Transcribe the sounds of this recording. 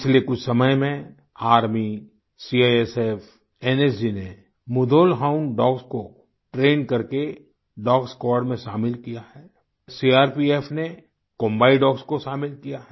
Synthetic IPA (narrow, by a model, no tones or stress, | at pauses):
ɪt͡ʃʰlekʊt͡ʃʰsɐməjmẽ | aːɾmi | siaːɛsɛf | ɛːnes̬d͡ʒine | mʊd̪ʱoːlɦaːʊnɖɔːɡsko | ʈɾeːnkɐɾke | ɖɔːɡskɔːɾɖmẽʃaːmɪlkijaɦɛː | siːaːɾpiːeːfʰne | kõːmbaːiɖɔːɡskoʃaːmɪlkijaɦɛ